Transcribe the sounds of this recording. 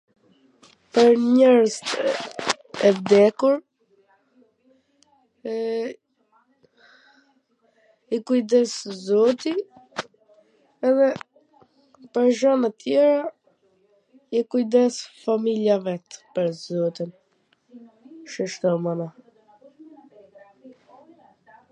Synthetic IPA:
pəɾɲɛɾzt̪ | ɛvd̪ɛkuɾ | ɛ | ikujd̪ɛszɔt̪i | ɛðɛ | pəɾʒɔnat̪jɛɾa | ikujd̪ɛsfamiljavɛt̪pəɾzɔt̪in | ʃɛʃt̪ɔmana

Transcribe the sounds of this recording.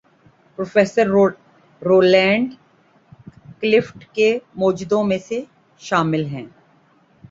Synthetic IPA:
pɾoːfeːsəɾ | ɾoːlɛ̃ːɳɖ | klɪfʈkemoːd͡ʒd̪õmẽse | ʃaːmɪlɦɛ̰̃ː

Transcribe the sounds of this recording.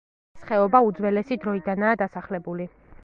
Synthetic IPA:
sχɛɔbaud̪zwɛlɛsid̪ɾɔid̪anaːd̪asaχlɛbuli

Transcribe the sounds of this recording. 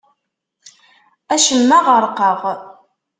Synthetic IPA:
æʃəmːaʁəɾˤqəʁ

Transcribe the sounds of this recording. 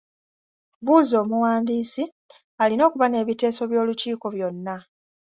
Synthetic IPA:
βuːzo̞ːmuwaːndiːsi | alino̞ːkuβane̞ːβite̞ːso̞βjo̞ːluciːko̞βjo̞nːa

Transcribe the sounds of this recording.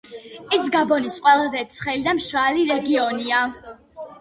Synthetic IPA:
ɛsɡabɔnisqʼwɛlˠazɛt̪sʰχɛlid̪amʃɾaliɾɛɡiɔnia

